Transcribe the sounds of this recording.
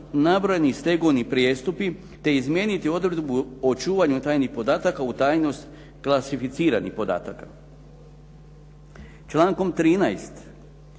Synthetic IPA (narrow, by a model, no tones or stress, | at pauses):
nabɾojenist̪e̞ɡoʋnipɾje̞ːst̪upi | t̪e̞izmje̞ːnit̪io̞d̪ɾed̪buot͡ʃuːʋaɲut̪aːjnixpo̞d̪aːt̪akaut̪aːjno̞st̪ | klˠasifit̪siːɾa̰nḭxpo̞d̪a̰ːt̪aka | t͡ʃlˠaːŋko̞mt̪ɾiːna̰jst̪